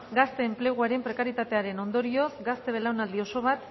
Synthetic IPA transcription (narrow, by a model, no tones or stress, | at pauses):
ɡast̪e̞ːmple̞ɣ̞uaɾe̞mpɾe̞kaɾit̪at̪e̞aɾe̞no̞nd̪o̞ɾio̞sɡast̪e̞βe̞lawnald̪io̞so̞β̞at̪